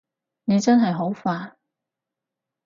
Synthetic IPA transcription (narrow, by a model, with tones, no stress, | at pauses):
ne˨˧t͡sɐ˥nɦɐ˨jɦo˨˥wfaː˧